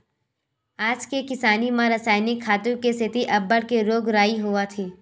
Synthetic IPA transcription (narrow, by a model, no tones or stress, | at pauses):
aːd͡ʒkekɪsaːnimãɾɐsaːɪnɪkʰːaːt̪ũkesɪt̪iʔɐbːəɽkeɾoːɡɾaːiɦuat̪ʰiː